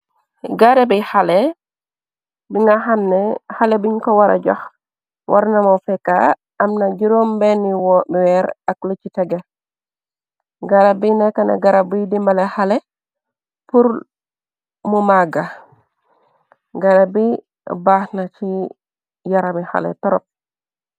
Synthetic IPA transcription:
ɡaɾebihalɛ | biŋɡaɦamnɛhalebiɲkɔwaɾa̰ɟa̰x | wʔa̰ɾnamofɛka̰ | ʔamnaɟiɾombɛnːiwɔbiwɛɾaklot͡ʃitɛɡe | ɡaɾabinekanḛɡaɾabidimbalehale | puɾ | mumaɡa | ɡaɾabi | baːhnat͡ʃi | jaɾamiha̰lḛtɔɾɔ̰p̚

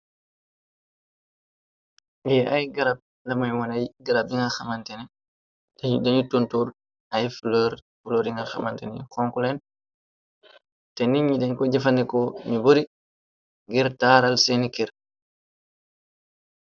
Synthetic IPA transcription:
ɡɛʔajɡaɾab̚ | lamajwanajɡaɾabiŋɡalxamantɛnɛ | daɲudaɲutontuɾ | ajflɔɾ | fulɔɾiŋɡalxa̰mantɛnɛkɔŋkɔlɛn | tɛniɲːidɛɲkɔd͡ʒɛfandɛkɔmiboɾi | ŋɡɛɾtaːɾalsenikiɾ

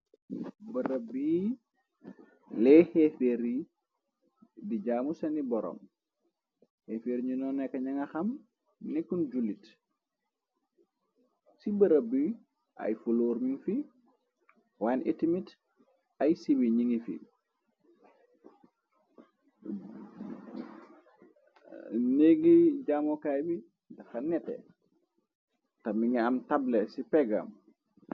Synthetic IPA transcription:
bəɾəbi | lɛhɛfeɾi | did͡ʒaːmusɐnibɔɾɔ̰m | hefeːɾɲunɔnːɛkːɐɲɐŋɐxɐm | nɛkːund͡ʒulit | sibəɾəbi | ʔɐ̰jfuloːɾmiŋfi | wanitimit | ajsibiɲiŋifḭ | neɡiɟamɔkajbi | dɐxanɛtɛ̰ | tɐmiŋɛamtablesipɛɡa̰m

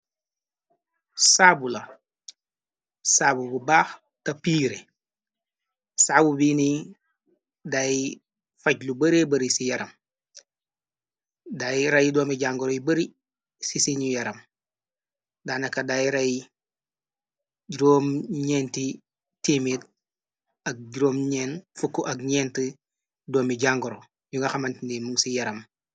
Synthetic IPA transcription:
sabulɐ | saːbububaːx | tɐpiːɾe | saːbubiːni | daj | fɐɟlubɐɾebɐɾisijɐɾɐm | dajɾɐjidoːmiɟaŋɡɔɾɔjbɐɾi | sisiɲujɐɾɐm | daːnɐkɐdajɾɐj | ɟiɾoːmɲeːnti | tiːmit | ɐk̚ɟiɾoːmɲeːnfukːuʔɐkɲɛːntə | doːmiɟaŋɡoɾo | juŋɡɐxɐmɐntinimuŋsijɐɾɐm

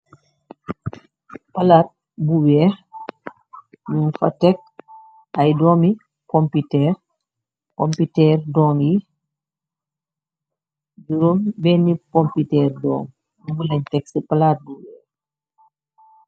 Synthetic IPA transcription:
palaːt̚ | buwɛ | ɲunfa̰tɛk̚ | ajdɔːmi | kɔmpitɛː | kɔmpitɛːrdɔːŋji | duɾumbɛnikɔmpitɛːɾdɔ̰ːŋ | mubulɛɲtɛksipalat̚buwɛː

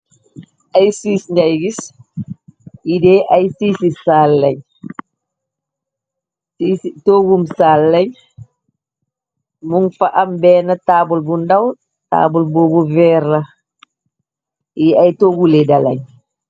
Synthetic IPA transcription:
ajsisɲajɡis | idɛʔajsisisalːaɲ | sisitoɡumsalːaɲ | muŋfaʔambɛːnataːbulbundaw | ta̰ːbulboːbuvɛɾa | iajtoɡuledala̰ɲ

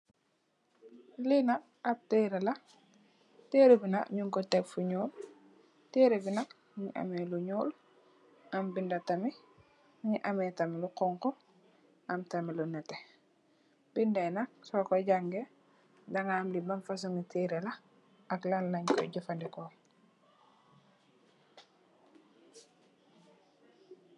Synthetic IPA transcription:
linak̚ | ap̚teːɾela | teɾebinakɲuŋkɔtɛkfuɲul | teːɾebinak̚ | ɲiʔa̰meluɲuːl | ambindatami | ɲiʔamɛːtamiluqɔŋkɔ | amtamilunɛtɛ | b̥indɛnak̚sɔkɔɟaŋɡe | daŋamlibamfas̬uŋitiːɾɛla | aklalːaɲkɔ̰ɟufandikɔ

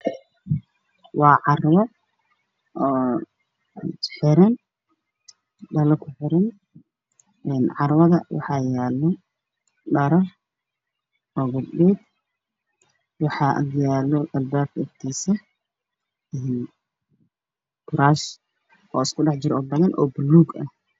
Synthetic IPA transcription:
wɑːʕɑrwɔ | ɔː | tħɪɾɐn | ɖɐlɐkʰʊħɪɾɐn | ɛːnʕɑrwɐðɐwʔɑ̰ħɑːjaːlːɔ | ɖɐɾɔr | ɔːɡʊlbɛːd̪ | wɑħɑːʔjaːlɔɐlbaːb̚kʰɐɪɡt̪ʰiːsɐ | ɛːn | kʰʊɾaːʃ | ʔɔ̰ːɪskʰʊɖɑħd͡ʒɪɾɔːbɐðɐnʔɔ̰ːbʊlːuːɡɐ̰h

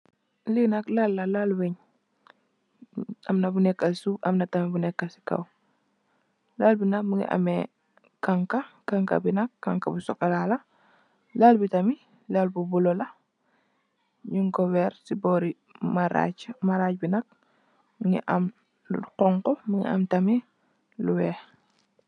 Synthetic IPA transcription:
linɐklalːalalweɲ | ɐmnɐbunɛkːasuʔɐmnɐtamibunɛkːasi̥ka̰w | lalbinak̚miŋḭʔa̰me | kaŋkakaŋka̰binɐkːaŋkabusɔkalala | lalbitɐmi | lalbubulolɐ | ɲuŋɡɔwɛɾsibɔːɾi | maɾa̰maɾacbinɐk̚ | miŋḭʔam | uqɔŋkɔmiŋḭʔa̰mtami | luwɛː

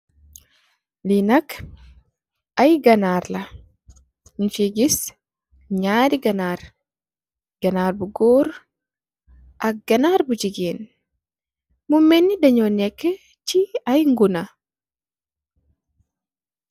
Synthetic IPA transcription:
linak | ʔajɡɐnaːɾla | nt͡ʃiɡis | ɲaːɾiɡanaːɾ | ɡ̥anaːɾbuɡoːɾ | ʔaɡɐnaːɾbud͡ʒiɡen | mumːɛnːidaɲɔnɛkːɛ | t͡ʃiajŋɡuna

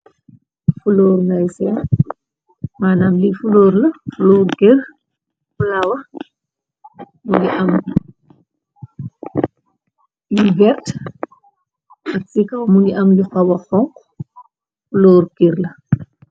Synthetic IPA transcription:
fulɔːɾnajsɛn | maːnaːmlifulɔːɾlɐfulɔːɾkir | fulɐwɐ | muniʔɐm | juvɛrt | ʔɐksikɐwmuniʔɐmluxɐwɐxɔŋq | fulɔːɾkiɾlɐ

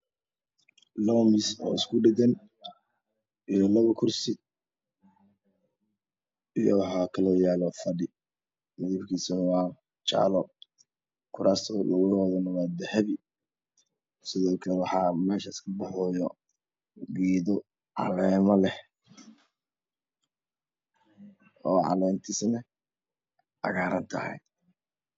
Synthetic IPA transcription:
lɔmɪsɔ̰ːɪskʰʊɖɪdɐn | ijɔlɐβɐkʰʊrsɪ | ijɔ̰wɑħɑːkʰɐlɔːjaːlɔfɐɖɪ | mɐðiːbkʰiːsɐnwɑː | t͡ʃa̰ːlɔ | kʰʊɾaːst̪ʰɔlɐɣʊɣɔðɐnɐwɑːd̪ɐhɐβɪ | sɪðɔːkʰɐlwɑħɑːmɛːʃɐɪskʰɐbɑħɔːjɔ | ɡiːðɔ | ʕɑ̰lɛːmɐlɛh | ɔːʕɑ̰lɛːmt̪ʰɪsnɐ | ʔɐ̰ɣaːɾɐnt̪ʰɐ̰hɛ̰j

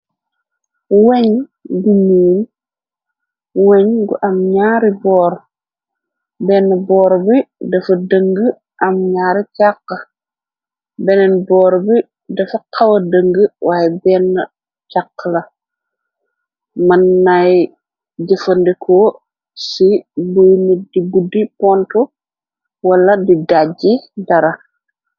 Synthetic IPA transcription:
weɲɡumuːn | weɲɡṵʔɐmɲaːɾibɔːɾ | bɛnːɐbɔːɾbidɐfɐdəŋɡə | ʔɐmɲaːɾicakːɐ | bɛnɛnbɔːɾbi | dɐfɐkʰɐwɐdəŋɡəwʔaːjɛbɛːnːɐ | cakːlɐ | mɐnːaj | ɟɛfɐndɛkʰɔː | sibujnədibudipɔntɔ | wɐlːɐdidaɟidɐɾɐ

